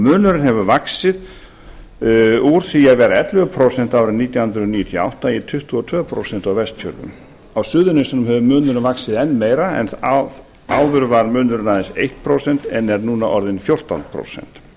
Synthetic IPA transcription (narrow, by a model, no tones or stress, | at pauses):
mʏːnʏɾɪnhɛvʏvaksɪð | uɾ̥θijavɛːɾaɛt̪lɛɣʏpʰɾowsɛn̥t̪aːwɾɪnːiːt̪jawhʏnd̪ɾʏɔnijʏt̪ʰjɔa̰wht̪ait̪ʰʏht̪uɔt̪ʰvœːpʰɾo̰wsɛnt̪awvɛst̪cʰœ̰lvʏ̰m | awsʏːðʏnest̪anʏmhɛvʏmʏːnʏɾɪnvaksɪðɛnːmeːjɾaɛ̰n | awðʏɾvaɾmʏːnʏɾɪnaðɪnsejht̪̚pʰɾowsɛn̥t̪ɛnɛɾnuːnaʔɔɾðɪnfjowr̥t̪a̰nt̪pʰɾo̰wsɛ̰n̥t̪